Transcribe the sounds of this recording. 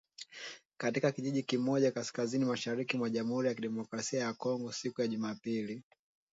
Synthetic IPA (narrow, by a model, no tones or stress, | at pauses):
katikakiʄiʄikimɔʄakaskazinimaʃaɾikimwaʄamuhuɾijakiɗɛmɔkɾasiajakɔŋɡɔsikujaʄumapili